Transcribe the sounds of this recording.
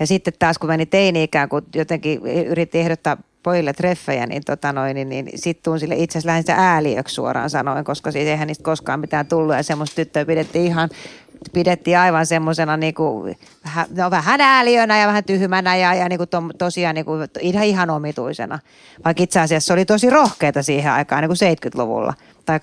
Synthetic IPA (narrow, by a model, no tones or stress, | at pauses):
jɑsit̪ːet̪tɑːskumenit̪einiːkæːŋkujot̪eŋkiyrit̪ːiehɾot̪ːɑ | pojilːet̪refːejæ̰nḭnt̪ot̪ɑnoininnḭnsit̪t̪unsilːḛit̪seslæhænsit̪æ̰æːliø̰kssṵo̰rɑ̰ːnsɑnoiŋkoskɑsiːseihænniːst̪koskɑːmmit̪æːnt̪ulːujɑsemːost̪t̪yt̪ːøːpiɾet̪ːiːihɑnpidet̪ːiːɑiʋɑnsemːosenɑniːku | ʋæhænoʋæhænæːliønæjɑʋæhænt̪yhmænæjɑjɑniːkut̪omːt̪osiɑniːŋkut̪ihɑihɑnomit̪uisḛnɑ | ʋɑikit̪seɑsiɑsːolit̪osirohkeːt̪ɑsiːheɑ̰ikɑ̰ːniːŋkuseit̪kyt̪lṵʋṵlːɑ̰ | t̪ɑikː